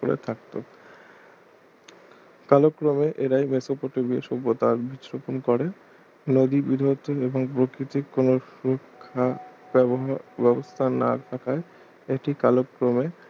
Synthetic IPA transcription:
o̰ɾḛt̪ʰak̚t̪o̰ | kalokːɾomeʔeɾajmesopoʈebieʃobːot̪aɾbitɾoponkɔɾe | nod̪ibid̪ʱot̪ːoeboŋpɾokɾit̪ikːonoʃuɾokʰːa | bɦbɛbost̪ʰana̰t̪ʰakʰae | eʈikalokːɾome

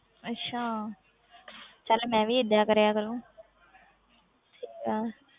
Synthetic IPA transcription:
ətːɕʰaː | t͡ʃalmɛ̃ːbʱiːɪd̪jaːkəɾejaːkəɾũː | ʈʰiːkaː

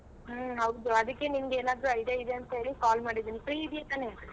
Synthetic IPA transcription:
ɦɐwd̪uɐd̪ɐkːe̞nimɡeːnaːd̪ɾuɐjid̪eid̪eɐnt̪ɐɦe̞ːɭikaːlmaːɽid̪iːnipɾiid̪jet̪aːne

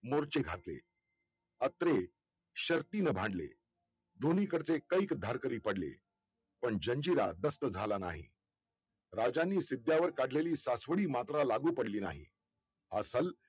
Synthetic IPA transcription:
moɾt͡ɕeɡʱat̪lḛ | ət̪ɾe | ɕəɾt̪iːnəbʱãɳɖlḛ | d̪ʱonikəɽt͡sekəikd̪ʱaɾkəɾiːpəɽlḛ | pəɳd͡ʑəɲd͡ʑiɾa̰d̪əst̪əd͡zʱalana̰ɦḭ | ɾad͡ʑanːiːsid̪jaʋəɾkaɽleliːsasʋəɽiːmat̪ɾalaɡuːpəɽliːna̰ɦḭ | asəl

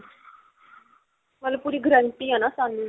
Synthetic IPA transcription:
məlapuɾiːɡʱɾəɳʈiːanasan

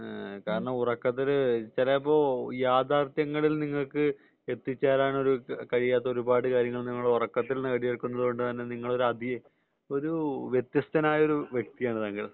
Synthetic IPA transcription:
kaːɾɐɳɐmurɐkːɐt̪̬ːiðɨt͡ɕɐlɐpːoːjaːd̪ʱaːrt̪jɐŋːɐɭilniŋːɐɭkɨ | e̞t̪ːit͡ɕːaːlaːɳo̞ɾukɐɻijaːt̪̬ːɐo̞ɾubaːɽɨkaːɾjɐŋːɐɭniŋːɐɭurɐkːɐt̪ːilnːɨkɐɽijɐrkːunːɐðɨɣo̞ɳɖɨt̪ɐnːe̞niŋːɐɭo̞ɾuɐd̪ʱij | o̞ɾuʋjet̪jɐst̪ɐnaːjɐo̞ɾuʋje̞k̚t̪ijaːɳɨt̪aːŋɡiɭ

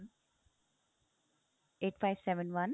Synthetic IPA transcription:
n | eːʈfaɪʋsɛʋə̃nʋɐ̃n

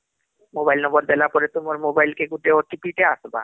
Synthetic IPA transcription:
mobailnɔmbəɾd̪əlapɔɾet̪uməɾmobailkeɡuʈeɔʈːipiʈeasba̰

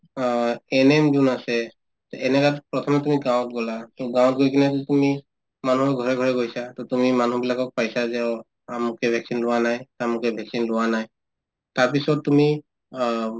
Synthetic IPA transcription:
ɛnɛmd͡ʒunasɛ | tɔɛnɛɡatpɹɔtʰɔmɛtumiɡãw̃ɔt̚ɡɔlatuɡãw̃ɔt̚ɡojkinakitumi | manuɦɔɡʱɔɹɛɡʱɔɹɛɡojsatɔtumimanubilakɔk̚pajsazɛ | amʊkɛbʱɛksinlʊwanajtamʊkɛbʱɛksinlʊwanaj | taɹp̬isɔt̚ːumi

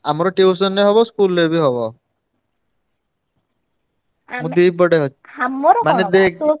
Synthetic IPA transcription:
amɔɾɔʈews̬ɔnːeɦɔbɔskulːebiɦɔbɔ | mũd̪ibɔɽeɦɔamɾmaned̪ek̚

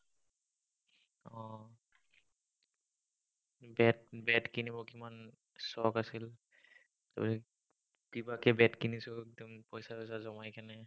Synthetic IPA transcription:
ɔ̃ | bɛt̚bɛtkinibɔkiman | sɔkasil | tapasɛ | kibakɛbɛtkinisʊɛk̚dɔmpɔjsaɔjsazɔmajkanɛ

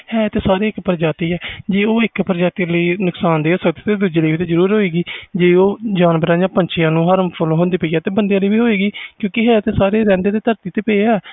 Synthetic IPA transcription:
hɛːt̪eːsaːɾeːɪkpəɾd͡ʒaːt̪iːɛːd͡ʒeːoːɪkpəɾd͡ʒaːt̪iːləiːnʊksaːnd̪eːsəkd̪eːt̪eːd̪uːd͡ʒeːləːiːt̪eːzəɾuːɾɦoːiːɡiːd͡ʒeːoːd͡ʒaːnbəɾãːd͡ʒãːpəɲt͡ʃʰɪjãːnũːɦəɾəmpʰʊlɦõːnd̪iːpəiːaːt̪eːbənd̪ejãːləiːbiːɦoːiːɡiːkjõːkɪɦɛːt̪eːsaːɾeːɾɛ̃ːnd̪eːd̪eːt̪əɾt̪iːt̪eːpeeaː

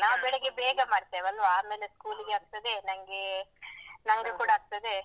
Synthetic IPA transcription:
naːʋbɛɭeɡebeːɡɐmaːɽt̪ːeːʋɐlːʋɐaːmeːleskuːliɡeɐk̚t̪ɐd̪enɐŋɡe | nɐŋɡekuːɽaɐk̚t̪ɐd̪e

